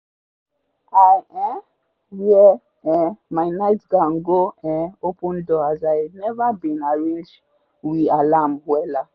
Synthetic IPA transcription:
aɛ | wiɛ | ɛ̃majnaɪtɡaŋɡoɛ̃opũndoazajdnɛvabĩnaɹẽnd͡ʒ | wialamwɛla

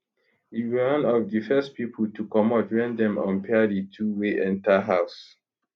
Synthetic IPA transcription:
iw̃nɔvdifɛstpipʰəl̩tukɔmɔtwɛ̃ndɛ̃mɔ̰̃npʰɛditʰuweʔɛ̃ntaɦaʊs

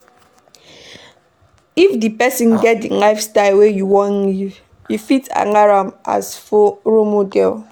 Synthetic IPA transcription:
ifdipɛsĩnɡɛt̚dilaɪfstaɪlwejuwɔ̃nju | jufita̰ŋaɹamʔa̰sfoɾomodɛl

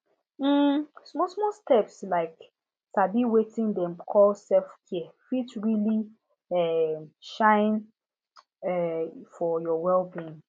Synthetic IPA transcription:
m̩smɔsmɔstɛpslaɪk | tabiwetɪ̃ndɛ̃mkʰɔlsɛfkʰiɛfitɹili | ɛmʃãɪn | ɛfɔjɔwɛlbĩn

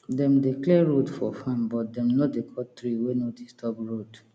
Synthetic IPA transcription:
dɛ̃mdeklɛɹodfɔfãmbɔt̚dɛ̃mnɔdekʰɔtɾiwenodistʰɔpɹod

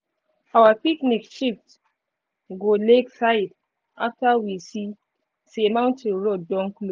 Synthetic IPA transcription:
ʔawapiknikʃift | ɡoleksaid | ʔaktawisi | semawntʰinɹodːɔŋklo

